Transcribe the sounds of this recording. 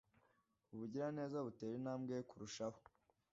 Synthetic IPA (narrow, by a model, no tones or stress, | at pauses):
uβuɟiɾane̞ːzaβuteːɾinaːmɡekuɾuʃaho̥